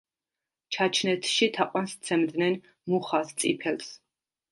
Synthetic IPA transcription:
t͡ʃʰat͡ʃʰnɛt̪ʰʃit̪ʰaqʼwanst̪sʰɛmd̪nɛn | muχast̪sʼipʰɛls

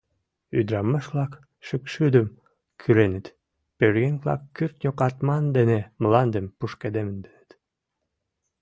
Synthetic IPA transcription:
yd̪ɾɑmːɑʃβlɑk | ʃəkʃyd̪əm | kʰyɾenət̪ | pøɾɣenʲβlɑ̰kːyrt̪nʲokɑt̪mɑnd̪enemlɑnd̪əmpuʃked̪emənd̪enət̪

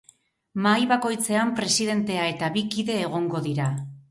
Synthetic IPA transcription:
majβako̞jt͡se̞ampɾe̞siðe̞nt̪e̞ae̞t̪aβikiðe̞ːɣ̞o̞ŋɡo̞ðiɾa

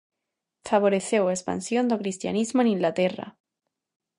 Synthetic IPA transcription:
faβ̞oɾe̞θjowespa̰nsjo̞nd̪okɾist̪ja̰nizmoenĩŋɡlat̪e̞ra̰

